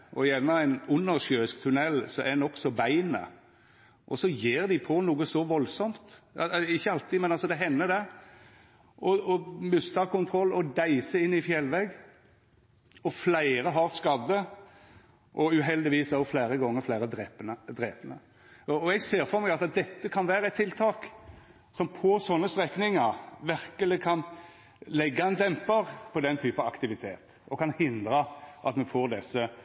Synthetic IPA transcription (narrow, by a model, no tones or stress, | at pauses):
ʔɔjɛnːəæɪnʊnːəʁʂøːskt̪ʰʉnɛlːsɔɛnɔksɔbæɪnə̰ | ʔɔsɔjeːɾd̪ɪpʰɔnuːɡəsɔʋɔlsɔmt̪ɪçːəɑlt̪ʰimɛnɑlsɔd̪ɛɦɛnːəd̪ɛ | ʔɔɔmʉst̪ʰɑkʊnt̪ʰɾɔlːɔd̪æɪsəɪnːɪfjɛlʋɛɡ | ɔflæɪɾəɦɑʁskɑd̪ːə | ʔɔʉɦɛld̪ɪʋiːsɑʊflæɪɾəɡɔŋːəɾflæɪɾəd̪ɾɛːpənəd̪ɾeːpənə̰ | ɔɔɛɡseːɾfɔɾmɛɡɑt̪ɑt̪̚d̪ɛt̪ːəkʰɑnʋæːɾəæɛt̪ʰːɪlt̪ʰɑːk | sɔmpʰɔsɔnːəst̪ɾɛknɪŋəɾʋæɾkəlɪkʰɑn | lɛɡːɑɛnd̪ɛmpəɾpʰɔd̪ɛnt̪ʰyːpənɑɑ̰kt̪ɪʋɪt̪ʰḛːt̪ | ɔkʰɑnhɪnd̪ɾəʔɑ̰t̪mɛfoːɾd̪ɛsə